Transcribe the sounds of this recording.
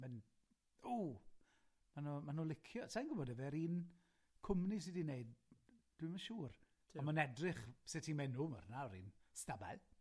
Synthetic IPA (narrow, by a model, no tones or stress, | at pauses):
mɛn | uː | manumanuːlˠɪkʰjɔsʰanɡʊbɔdɛvɛɾiːn | kʰʊmnis̬ɪdineɨd̚d̥wimaʃuːr | ɔmanɛdrɪχsɪtʰimɛnumarnaɔɾḭːnstaba̰ɨ